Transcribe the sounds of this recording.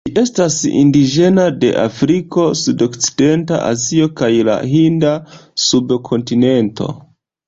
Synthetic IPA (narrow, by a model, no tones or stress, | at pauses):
d͡ʒiʔe̞stasḭndiʒe̞nade̞̰ʔa̰fɾiko̞sudo̞kt͡si̥de̞nta̰ʔa̰zio̞kajla̰hindasubkʰo̞ntine̞nto̞̰